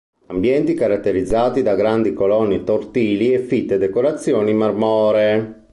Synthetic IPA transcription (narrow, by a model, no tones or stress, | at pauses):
ambjɛnt̪ikaɾat̪ːeɾid̪zːaːt̪id̪aɡɾand̪ikolɔnːit̪ort̪iːliɛfit̪ːed̪ɛkoɾat̪sːjoːnimarmɔːɾe